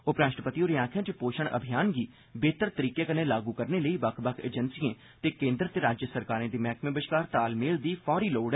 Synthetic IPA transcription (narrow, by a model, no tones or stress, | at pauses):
ʊpɾaːʃʈəpət̪ioːɾiaːkʰjãt͡ʃepoːʃəɽ̃ʔə̰bʱijaːnɡiː | beːt̪əɾt̪əɾiːkekənelaːɡukəɾneləiːʋɐkʰbəkʰḛːd͡ʒənsiẽː | t̪eːkẽːnd̪ɾət̪eɾaːd͡ʒjəsəɾkaːɾẽːd̪iːmɛːkʰmẽbəʃkaːɾt̪aːlmeːld̪iːfʰɔːɾiːloːɖ